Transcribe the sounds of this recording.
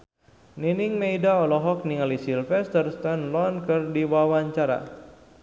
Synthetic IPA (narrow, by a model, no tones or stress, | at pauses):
ninɪŋmejdaɔlɔɦɔk̚niŋalisilfɛst̪ərst̪ɛnlɔnkɨrdiwawaɲt͡ʃaɾa̰